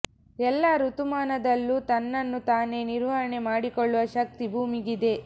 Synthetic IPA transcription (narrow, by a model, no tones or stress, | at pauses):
ɛlːaːɾut̪umaːnɐd̪ɐlːuːt̪ɐnːɐnːut̪aːne̞ːniɾʋɐɾɐɳe̞maːɽikoɭːuʋɐʃɐk̚t̪ibʱuːmiɡid̪e̞